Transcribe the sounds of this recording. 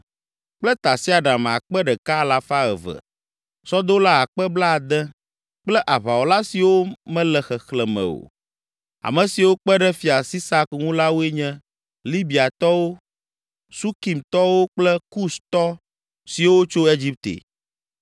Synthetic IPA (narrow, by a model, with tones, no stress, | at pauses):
k͡plɛ˦t̪a˨si˦a˨ɖa˨m˨a̰˨k͡pɛ˦ɖɛ˨ka˦la˨fa˦ɛ̰˨və̰˨ | sɔ˦d̪o˦la˦a˨k͡pɛ˦bla˦˨d̪ɛ̃˦ | k͡plɛ˦ʔa˨βa˨wo˨la˦si˨wo˦mɛ̃˦lɛ˨xɛ˨xlɛ˨mɛ̰̃˨o̰˨ | a̰˨mɛ̃˨si˨wo˦k͡pɛ˦ɖɛ˦fi˨a˨si˦sa˦kŋũ˦la˦wo˦e˦ɲɛ̃˦ | li˦bi˨a˨t̪ɔ˦wo˦ | su˦ki˨mt̪ɔ˦wo˦k͡plɛ˦ku˦st̪ɔ˦ | si˨wo˦t͡ʃo˦e˦d͡ʑi˦p̚t̪ḛ˨